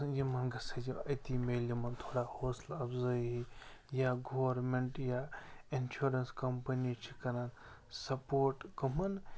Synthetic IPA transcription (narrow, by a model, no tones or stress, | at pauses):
jimɐnɡɐsɐd͡ʒiɐjt̪iːmeːlimɐnt̪ʰoːɽaːhoːslɐbzɐjɦijaɡoːwɾmeɳʈjainʃuɾɐnskɐmpɐnit͡ʃʰikɐnaːn | sɐpoːɾʈkɐmɐn